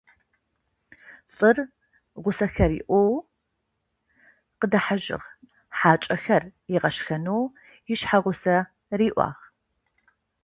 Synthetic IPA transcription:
ɬʼɨr | ʁʷʊsɐxɐrḭːʔʷɔw | qədɐħaʒɪ̰ʁ | ħaːt͡ʃʼɐxɐrjɪʁɐʃxɐnow | jɪʃħaʁʷʊsɐ | riːʔʷɑ̰ːʁ

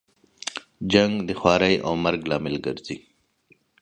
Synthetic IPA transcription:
d͡ʒaŋɡd̪ixwɑːɾajʔa̰wmɐɾɡlɑːmɪlɡə̰ɾzi

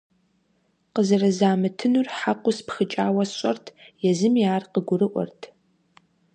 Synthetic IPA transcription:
qəzɨrɐzaːmɨtʰɨnurħaqʷʊspxɨt͡ʃʼaːwɐsɕʼɐrtʰjɛzɨmiaːrqəɡʷʊrɨʔʷɔ̰rtʰ

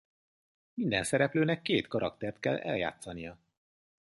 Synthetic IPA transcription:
mind̪ɛnsɛɾɛpløːnɛkːeːt̪kɒɾɒkt̪ɛrt̪̚kɛ̰lːɛ̰lja̰ːt̪sɒnijɒ

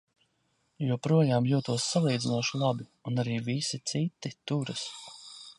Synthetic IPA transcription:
jupɾuɔjaːmjuɔt̪uɔsːalˠiːd̪zinuɔʃulˠabiunaɾiːvisit̪sit̪ːit̪uɾɐs

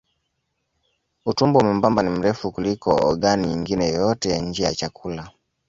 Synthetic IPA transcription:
utumbɔmɛm̩bambanim̩ɾɛfukulikɔɔɡaniɲiŋɡinɛjɔtɛjaɲ̩d͡ʒija̰t͡ʃakula

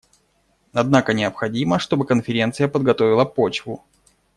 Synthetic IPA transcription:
ɐd̪nakənʲɪəpxɐdʲiməʂt̪o̞bɨkənfʲɪɾʲe̞nt̪sɨjəpəd̪̚ɡɐt̪o̞vʲɪlˠəpo̞t͡ɕvʊ

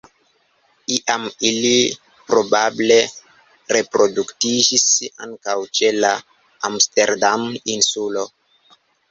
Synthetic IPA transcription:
iʔamili | pɾo̞bable̞ | ɾe̞pɾo̞duktid͡ʒisa̰ŋkawt͡ʃela | amsteɾdaminsulo̞

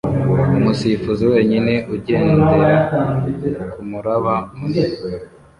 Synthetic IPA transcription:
umusifuziwe̞ːɲine̞ʔuɟeːneɾtakumuɾaβamu

